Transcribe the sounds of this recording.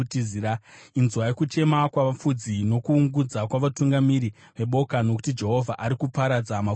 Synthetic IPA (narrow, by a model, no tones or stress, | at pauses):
tiziɾainzwajekut͡ʃe̞makwaʋafud͡zino̞kuːŋɡud͡zakwaʋatuŋɡamiɾi | ʋe̞ɓo̞kano̞ku̥tid͡ʒe̞ɦo̞vʱaʔaɾikupaɾad͡zama